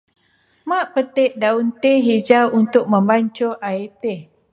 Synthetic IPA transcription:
maʔpət̪eʔ̚daunt̪eɦid͡ʒawunt̪ʊk̚mə̃mbaɲt͡ʃoʔait̪e

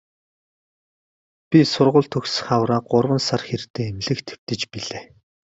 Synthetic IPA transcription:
pʲisʊrʁʊ̆ːɮt̪ʰɵxsχawɾaːɢʊrwə̆nsarxert̪eːemɮɘ̆xt̪ʰe̥w̥t̪ɘ̆t͡ɕpiɮeː

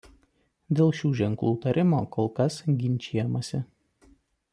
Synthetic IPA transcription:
d̪ʲeːlˠʃʲuːʒʲɛŋklˠuːt̪ɐɾʲʔɪmoːkolˠkɐsɡʲɪnʲˑt͡ʃʲiːjɛmɐsʲɪ

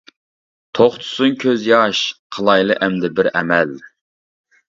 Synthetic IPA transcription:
t̪ʰoχt̪ʰʊ̥suŋkʲʰøzjɑʃqʰəlˠɑjlˠɨʔɛmd̪ɪbɪɾɛmɛl

